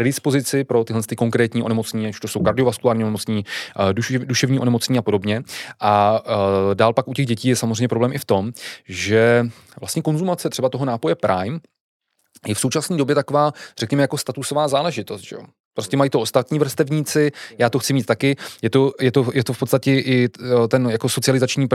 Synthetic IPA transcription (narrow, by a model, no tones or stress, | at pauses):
pɾɛdɪspozɪt͡sɪpɾo̞t̪ɪɦlɛnst̪ɪko̞ŋkɾɛːt̪ɲiːo̞nɛmo̞t͡sɲiːɛu̥ʃt̪oso̞wkaɾdɪovaskulaːɾɲiːonɛmot͡sɲiːduduʃɛvɲiːʔonɛmo̞t͡sɲiːapo̞do̞bɲɛʔa | daːlpakʔucɛɣɟɛciːjɛsamozr̝ɛjɲɛpɾo̞blɛːmʔɪft̪o̞mʒɛ | vlast̪ɲɛko̞nzumat͡sɛt̪r̥ɛbat̪o̞ɦo̞naːpo̞jɛpɾʔajm | jɛfso̞wt͡ʃasniːdo̞bjɛt̪akovaːr̥ɛkɲɛmɛjako̞st̪at̪uso̞vaːzaːlɛʒɪt̪o̞st̪ʒɛ̰jo̞̰ | pɾoscɛmajiːt̪oost̪at̪ɲiːvr̩st̪ɛvɲiːt͡sɪjaːt̪oxt͡sɪmiːt̪̚ːakɪjɛt̪o̞jɛt̪ojɛt̪ofpot̪t͡st̪acɛʔɪt̪ɛnjako̞so̞tt͡sɪalɪzat͡ʃɲiːp